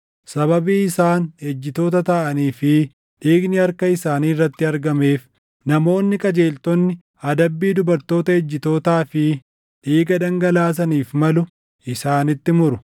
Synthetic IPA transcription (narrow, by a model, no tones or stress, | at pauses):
sɐβɐbiːɪsaːnhɛd͡ʒːɪt̪o̞ːt̪ɐt̪ɐʔɐniːfɪ | ᶑ̪iːɡnɪɐɾkɐɪsaːniːrːɐt̪ːɪɐɾɡɐme̞ːf | nɐmo̞ːnːɪkʼɐd͡ʒe̞ːlt̪ɔnːɪ | ɐd̪ɐbːiːd̪ʊbɐɾt̪o̞ːt̪ɐɛd͡ʒːɪt̪o̞ːt̪aːfɪ | ᶑiːɡɐd̪ɐŋɡɐlaːs̬ɐniːfmɐlʊ | ʔɪsaːnɪt̪ːɪmʊɾʊ